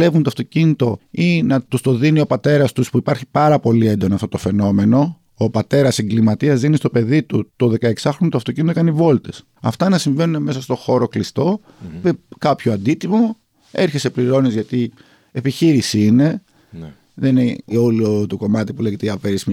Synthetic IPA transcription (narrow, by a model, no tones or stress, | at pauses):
e̞vunt̪oɐft̪o̞cinit̪o̞inɐt̪ust̪o̞ðinio̞pɐt̪e̞ɾɐst̪uspuipɐɾçi̥pɐɾɐpo̞lie̞nd̪o̞nɐːft̪ot̪ofe̞no̞me̞no̞ː | pɐt̪e̞ɾɐsiŋɡlimɐt̪iɐzðinist̪o̞pe̞ðit̪ut̪o̞ðe̞kɐe̞ksɐxɾonoɐt̪oɐft̪ocinit̪okɐnivo̞lt̪e̞s | ɐft̪ɐnɐsiɱve̞nuneme̞sɐst̪o̞xo̞ɾo̞klist̪o̞ | mekɐpçoɐnd̪it̪imo̞ | e̞ɾçesepliɾo̞nezʝɐt̪i | epiçiɾisiine̞ | ðenneoliot̪uko̞mɐt̪ipule̞ʝet̪eɐpeɾism